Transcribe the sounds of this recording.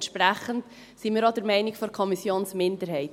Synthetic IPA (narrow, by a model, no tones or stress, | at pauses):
ʃpʁæχənt | simiːɾɑdəɾmɛɪnɪkfɔɾkʰɔmisjoːnsmɪndəɾhɛɪt